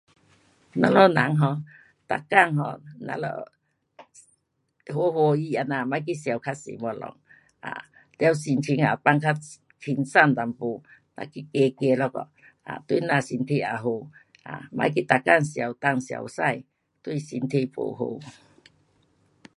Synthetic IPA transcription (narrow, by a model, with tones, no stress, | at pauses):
nã˧˦lɔ˧˨na̰˨˦ŋɦɔ˧ | t̪a̰˨kːa˥˧˨ŋɦɔ̰˧nã̰˧lɔ̰˧ | ho˧˦ho˧i˧a˨˧na˨ma˧˦jk̬i˦sja˨˩wkʰa˦t̚sḭ˨mɔ˧lɔ̰˨˧˦ŋ | a̰˨ | la˧wsi˧nt̪ʰi˧ŋa˨pa˧˨ŋkʰa˦ | tʰi˧nsa˥˧˨nt̪a˨˩mpo˧˨na̰˧˨ki˧˦ke˧ke˧lɔ˧kɔ̰˨ | a̰˨t̪wi˧˨nã˧˨si˧nt̪ʰe˧a˨˩ɦo˧ | a̰˨mã̰˧˦jk̬i˦t̪a˨ka˥˧˨ŋsja˨wt̪a˧ŋsja̰˨wsa˥˧˨j | t̪wi˥˧˨si˧nt̪ʰe˧˨po̰˨ɦo̰˧